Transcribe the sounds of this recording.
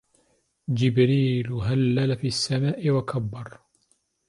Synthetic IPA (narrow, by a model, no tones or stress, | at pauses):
d͡ʒɪbɾiːlɦalːalafiːasːamaːʔɪwakʰabːɑɾˤ